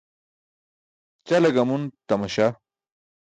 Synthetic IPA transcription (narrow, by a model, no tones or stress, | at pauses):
t͡ɕɐlɐɡɐmunt̪ɐmɐɕa